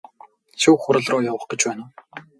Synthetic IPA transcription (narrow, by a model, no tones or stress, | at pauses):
suːχʊɾə̆ɮrʊːjawə̆χɡ̥et͡ɕpæːnʊː